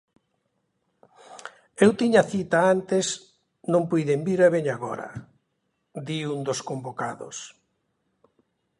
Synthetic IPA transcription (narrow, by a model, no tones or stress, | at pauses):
ewt̪iɲaθit̪aant̪es | nõmpujðembiɾaβeɲaɣɔ̰ɾɐ̰ | d̪iund̪oskombokaðo̰s